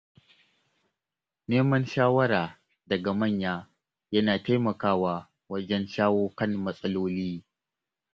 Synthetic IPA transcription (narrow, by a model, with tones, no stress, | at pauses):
neː˦mɐ˦nʃaː˦wɐ˦ɾaː˨ | dɐ˨ɡa˨mɐ˦˨ɲjaː˦ | jɐ˦naː˨ta˦jmɐ˨kaː˦waː˨ | wɐ˦d͡ʒɛ˦nʃaː˦woː˦kɐ˦˨nmɐ˦sʼɐ˦loː˦liː˦